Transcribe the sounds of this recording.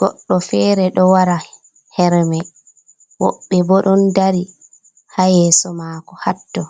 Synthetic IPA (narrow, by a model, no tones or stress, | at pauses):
ɡ̥ɔɗːɔfɛːɾɛɗɔwaɾa | hɛɾmɛ | wɔ̰ɓːɛbɔɗɔndaɾi | hajɛːsɔmaːkɔhatːɔ